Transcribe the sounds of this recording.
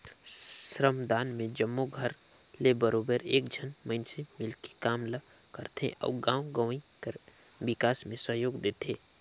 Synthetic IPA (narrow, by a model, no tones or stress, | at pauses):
sɾəmd̪aːnmẽd͡ʒəmːoɡʱəɾ | lebəɾoːbəɾeːkd͡ʒʱənmə̃ɪnsemɪlki̥kaːmlə | kəɾt̪ʰḛ̃ʔɐ̰ɡãːwɡəʋ̃ikəɾ | bɪkaːsmẽsəɦjoːɡd̪eːt̪ʰeː